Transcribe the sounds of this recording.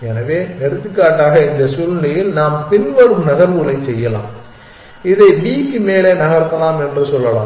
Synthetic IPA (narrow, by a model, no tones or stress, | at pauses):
ɛnɐʋeːnɛɽɯt̪ːɯkːaːʈːaːɣɐɪnd̪ɐsʊlnɐjɪlnaːmpɪnʋɐɾɯmnɐɣɐɾʋɯlɐɪt͡ʃsɛjːɐla̰ːm | ɪðɐɪbiːkːɯmeːlenɐɣɐɾp̪ːɐlaːmɛndrɯsɔlːɐla̰ː